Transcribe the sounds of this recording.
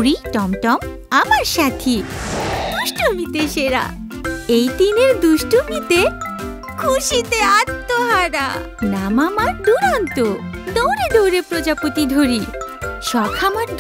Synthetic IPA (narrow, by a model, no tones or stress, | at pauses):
ɾiʈɔmʈɔm | amaɾʃat̪ʰi | d̪uʃʈomit̪eʃeɾa̰ | ejt̪ineɾd̪uʃʈomit̪e | kʰuʃit̪eat̪ːoɦɔna̰ | namamaɾd̪uɾant̪o | t̪õwɾed̪owɾepɾod͡ʑapot̪id̪ʱoɾiʃɔkʰamaɾd̪